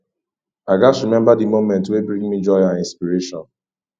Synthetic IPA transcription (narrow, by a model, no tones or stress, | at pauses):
aɡasɹimɛ̃mbadimomɛ̃ntwebɹĩŋmid͡ʒɔɪãnĩnspiɹeʃɔ̃n